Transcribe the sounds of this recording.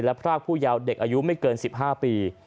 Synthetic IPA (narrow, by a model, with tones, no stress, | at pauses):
lɛ˦˥pʰɾaː˥˩k̚ʰuː˥˩jaː˧wde˨˩k̚ʔaː˧ju˦˥ma˥˩jkɤː˧nsi˨˩p̚ɦaː˥˩piː˧